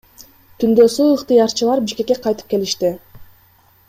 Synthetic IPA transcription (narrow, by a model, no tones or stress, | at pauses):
t̪ʰynd̪ø̞suɯqt̪ɯjɑɾt͡ʃɯlˠɑɾbiʃke̞kːe̞qʰɑjt̪ɯ̥p̚ke̞liʃt̪i